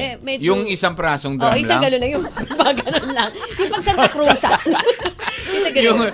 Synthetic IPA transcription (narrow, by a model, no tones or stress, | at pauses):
ɛmɛjʊŋɪsaŋpɾaːsoŋd̪oʔʔɪsaɡɐlonɐjʊŋbaɡɐnonlɐŋjʊŋpɐɡ̚sɐnkɾuːsɐ | ɪɐɡɐjʊŋ